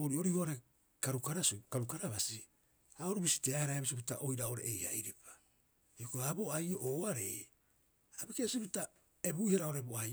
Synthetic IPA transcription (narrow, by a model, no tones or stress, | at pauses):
oːɾio̞ɾihoaɾe | kaɾukaɾasukaɾukaɾaβasi | aoɾubisi̥teahaɾajβis̬iputa̰ʔo̞jɾaoɾḛʔejha̰jɾepḁ | iokuaβo̞ajoʔoːaɾe̞̰j | abikesiputa | eβuihaɾaoɾeboa